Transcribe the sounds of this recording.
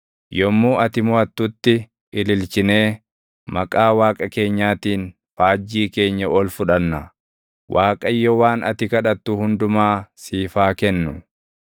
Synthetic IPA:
jɔmːuːɐt̪ɪmʊɐt̪ːʊt̪ːɪ | ɪlɪlt͡ʃɪne̞ː | mɐkʼaːwaːkʼɐke̞ːɲːaːt̪iːn | faːd͡ʒːiːke̞ːɲːɐɔlfʊᶑɐnːɐ | wʔaːkʼɐjːɔwaːnʔɐ̰t̪ɪkɐᶑɐt̪ːʊhʊnd̪ʊmaːsiːfaːkɛnːʊ

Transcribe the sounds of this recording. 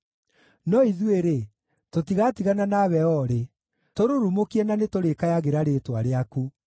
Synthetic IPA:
nɔiðweɾe | totiɣatiɣananaβɛɔɾe | toɾoɾumokiɛnanetoɾekajaɣeɾaɾetwaɾeaku

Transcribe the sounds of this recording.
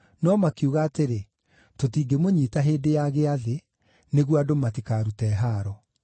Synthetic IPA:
nɔmakeuɣaːteɾe | totiːɡemoɲiːtaɦeːdejaɣeaðe | neɣwadomatikaːɾutɛːɦaːɾɔ

